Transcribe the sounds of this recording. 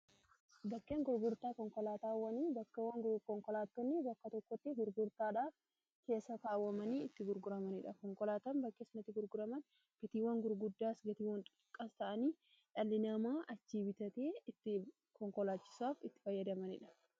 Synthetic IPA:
bɐkːeːŋɡʊɾɡʊɾt̪aːkɔŋkɔlaːt̪aːwːɐniːbɐkːɐwɐŋɡkɔŋkɔlaːt̪ːɔnːɪbɐkːɐt̪ɔkːɔt̪ːɪɡʊɾɡʊɾt̪aːᶑaːf | ke̞ːsːɐk̪aːwːɐmɐniːɪt̪ːɪɡʊɾɡʊɾɐmɐnɪᶑɐkɔŋkɔlaːt̪aːmbɐkːeːsnɐt̪ːɪɡʊɾɡʊɾɐmɐn | b̥ɪt̪iːwɐŋɡʊɾɡʊd̪ːaːsɡɐt̪iːwɐnt̪ʼʊ̥ʊkʼːɐst̪ɐʔɐniː | ᶑɐlːɪnɐmaːʔɐd͡ʒːiːbɪt̪ɐt̪eːɪt̪ːɪ | kɔŋkɔlaːt͡ʃːɪ̥saːfɪt̪ːɪ̥fɐjːɐd̪ɐmɐnɪᶑɐ̥

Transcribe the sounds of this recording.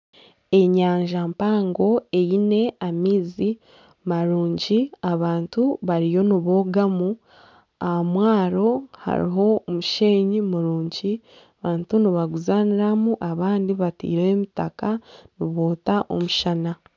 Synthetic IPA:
e̞ɲaːɲʒampaːŋɡo̞e̞jine̞amiːzi | maɾuːɲɟiaβaːntuβaɾijo̞niβoːɡamu | aamwaːɾo̞ha̰ɾḭɦo̞ːmuʃe̞ːɲimuɾuːɲɟi | aβaːntuniβaɡuzaniɾamuʔaβaːndiβatḭːɾeemitakaniβoːtaʔo̰muʃana

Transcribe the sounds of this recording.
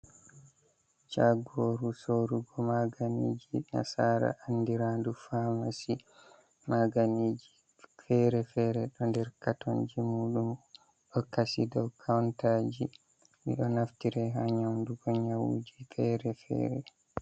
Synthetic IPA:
t͡ʃaɡoːɾusoɾuɡɔmaɡanḭd͡ʒina̰saːɾa̰ʔanːdiɾandufaːmasi | maɡaniːd͡ʒi | fɛːɾɛfɛːɾɛɗɔndɛɾkatɔnd͡ʒimuːɗum | ɗɔkasidɔwkʰawntaːd͡ʒi | mḭɗɔnaftiɾɛɦaɲawnduɡɔɲawṵːd͡ʒifɛːɾɛfɛ̰ːɾɛ

